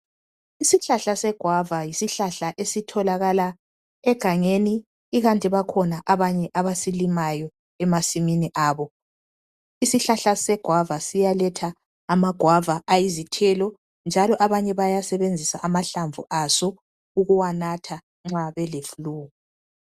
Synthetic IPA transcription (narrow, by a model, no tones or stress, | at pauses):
isiɬaɬasɛɡ̥ʱwavajisiɬaɬaʔesitʰɔlaɣala | ɛɡ̥ʱaŋeniː | ɣantʼiβakʰɔnaʔaβaɲɛʔaβasilimajɔ | ɛmasiminiʔaːβɔ | isiɬaɬasɛɡ̥ʱwavasijalɛtʰaː | maɡ̥ʱwavaʔajizitʰɛlɔ | nd͡ʒʱalɔʔaβaɲɛβajasɛβend͡zʱisaʔamaɬaɱvʱṵʔasɔ | uɣuwanatʰa | ŋ͡ǁaβɛlefuluːɣu